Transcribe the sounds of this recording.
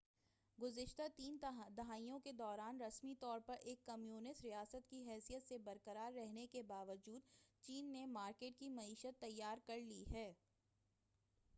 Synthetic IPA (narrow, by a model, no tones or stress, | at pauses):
ɡʊzɪʃt̪at̪iːnd̪ɐɦaːijõked̪ɔːɾaːnɾɐsmit̪ɔːɾpɐɾʔeːkːɐmjuːnɪsʈɾijaːsət̪kiɦɛːsijət̪sebɐɾkəɾaːɾːɛɦnekebaːʋəd͡ʒuːd̪̚t͡ʃiːnːemaːɾkeːʈ̚kimɐiːʃət̪ːɐjːaːɾkɐɾliɦɛː